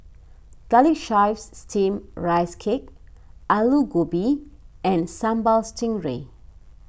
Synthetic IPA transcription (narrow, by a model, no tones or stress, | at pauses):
ɡ̥alikʃaɪfsːtʰĩmɹajskʰek̚aluɡobiɛ̃nsãmbalstʰĩŋɹḛ